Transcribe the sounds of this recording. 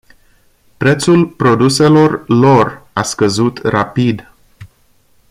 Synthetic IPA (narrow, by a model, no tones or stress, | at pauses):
pɾe̞t̪sulpɾo̞d̪use̞lo̞rlo̞raskəzut̪rapid̪